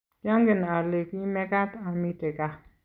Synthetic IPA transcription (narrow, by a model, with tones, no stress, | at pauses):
ja˦ŋɡɪ˨n˨a˨le˨ki˦mɛ˦ka˦ta˨mi˦te˨ka˦˨